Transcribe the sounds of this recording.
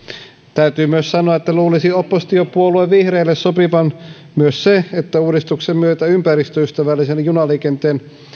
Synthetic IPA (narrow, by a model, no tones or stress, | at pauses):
t̪æyt̪yːmyøssɑnoɑet̪ːæluːlisiopːost̪iopuolueʋʋihreːlːessopiʋɑn | myøsseet̪ːæuːdist̪uksemmyøt̪æympærist̪øyst̪æʋælːisenjunɑliːkent̪eːn